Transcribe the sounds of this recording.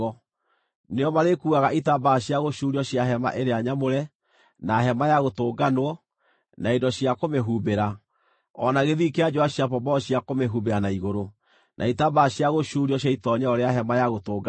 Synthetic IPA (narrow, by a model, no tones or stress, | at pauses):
ɔ | neɔmaɾekuːɣaɣaʔitabaɕjaɣoɕuːɾiɔɕjaɦɛma̰ʔeɾeaɲamoɾɛ | naɦɛmajaɣotoːɡanwɔ | naedɔɕiakomeɦubeɾa | ɔnaɣeðikead͡ʒɔaɕiapɔbɔɔɕiakomeɦubeɾanaiɣoɾo | nʔa̰itabaɕiaɣoʃuːɾiɔɕ̬aitɔɲɛɔɾeaɦɛmajaɣotoːɡ